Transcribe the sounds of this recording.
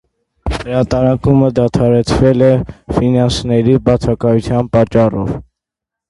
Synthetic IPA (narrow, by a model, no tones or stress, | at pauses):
həɾɑt̪ɑɾɑkuməd̪ɑt̪ʰɑɾɛt͡sʰvɛlɛfinɑnsnɛɾibɑt͡sʰɑkɑjut͡sʰjɑnpɑt͡ʃːɑrɔv